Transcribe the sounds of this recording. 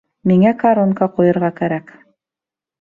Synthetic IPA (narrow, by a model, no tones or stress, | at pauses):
miŋækaɾonkɑqujɤ̆ɾʁɑkæɾæk